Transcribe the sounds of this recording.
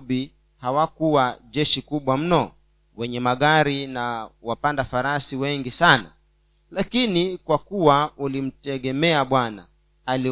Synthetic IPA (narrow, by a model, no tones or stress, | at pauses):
ɓi | hawakuwaʄɛʃikuɓwam̩nɔ | wɛɲɛmaɠaɾinawapandafaɾasiwɛŋɡisana̰ | lakinikwakuwaulim̩tɛɠɛmɛaɓwana̰ː | li